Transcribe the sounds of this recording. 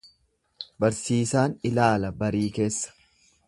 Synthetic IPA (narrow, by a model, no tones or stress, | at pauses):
bɐɾsiːsaːnɪlaːlɐbɐɾiːke̞ːsːɐ̥